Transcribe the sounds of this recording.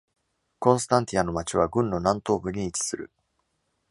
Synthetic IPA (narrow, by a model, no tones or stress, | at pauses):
kõɰ̃s̬ɨ̥t̪ãnt̪ʲiano̞mat͡ɕiβ̞aɡɯ̟̃nːo̞nãnt̪o̞ːbɯ̟ɲ̟iːt͡ɕi̥sɨɾɯ̟